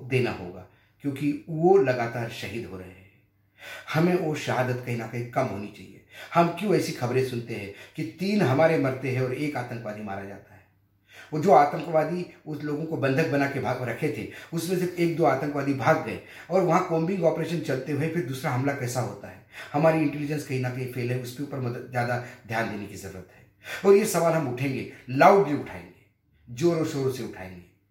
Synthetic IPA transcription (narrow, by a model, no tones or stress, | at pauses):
d̪eːnaɦo̰ːɡa̰ː | kjõːkiʋolɐɡaːt̪aːɾʃɐɦiːd̪ɦoɾɐɦeɦɛ̃ | hɐmẽoʃɐɦaːd̪ət̪kɐɦĩnakɐɦĩkɐmɦoːnit͡ʃa̰ːɦḭḛhɐmkjõɛːsixɐbɾẽsʊnt̪eɦɛ̃ːkit̪iːnɦɐmaːɾemɐɾt̪eɦɛ̃ɔːɾeːkaːt̪ə̃ŋkʋaːd̪ima̰ːɾad͡ʒa̰ːt̪aɦɛː | ɔːɾd͡ʒoːaːt̪ə̃ŋkʋaːd̪iʊsloːɡõkobɐ̃nd̪ʱək̚bɐnakebʱaɾɐkʰet̪ʰḛʊsmẽsɪɾfʰeːk̚d̪oːaːt̪ə̃ŋkʋaːd̪ibʱaːɡɡɐḛ̃ | ɔːɾʋɐɦãkõːmbɪ̃ŋɡɔːpɾeːʃə̃nt͡ʃɐlt̪eɦʊepʰɪɾd̪uːsɾaɦɐmlakɛːsaɦo̰ːt̪aɦɛːhɐmaːɾiɪ̃ɳʈɛlɪd͡ʒə̃nskɐɦinakɐɦipʰeːlɦɛ̃ʊskeuːpəɾmɐd̪ət̪zjaːd̪ad̪ʱjaːnd̪eːnekizɐɾṵːɾət̪ɦɛːɔːɾjesɐʋaːlɦɐmʊʈʰẽːŋɡeːlaːʊʈ̚bʱiʊʈʰa̰ːḛ̃ːŋɡeː | d͡ʒoːɾoʃoːɾoseʊʈʰa̰ːẽːŋɡeː